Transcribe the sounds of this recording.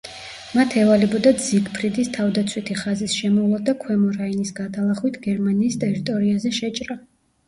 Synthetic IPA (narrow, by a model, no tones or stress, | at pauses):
mat̪ʰɛvalɛbɔd̪ad̪ziɡpʰɾid̪ist̪ʰavd̪at̪sʰwit̪ʰiχazisʃɛmɔlˠɔd̪akʰwɛmɔɾainisɡat̪ʰalˠaχwit̪ʰɡɛɾmaniːst̪ʼɛɾit̪ʼɔɾiazɛʃɛt͡ʃʼɾa